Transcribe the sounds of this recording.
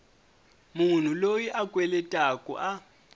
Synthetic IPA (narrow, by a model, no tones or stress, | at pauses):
mun̤ulojiʔakʼwɛlɛtʼakʼṵʔa